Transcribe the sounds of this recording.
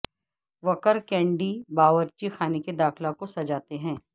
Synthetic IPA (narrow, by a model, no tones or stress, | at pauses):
ʋɐkəɾkɛ̃ːɳɖibaːʋəɾt͡ʃixʰaːneked̪aːxlakosɐd͡ʒaːt̪eɦɛ̃ː